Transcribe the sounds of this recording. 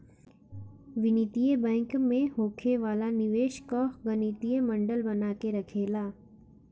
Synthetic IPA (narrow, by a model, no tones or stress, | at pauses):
ʋɪnit̪ijebɛ̃ːŋkmẽɦoːkʰeʋaːlanɪʋeːʃkɔːɡɐnit̪ijəmɐ̃ɳɖəlbɐnaːkeɾɐkʰeːlaː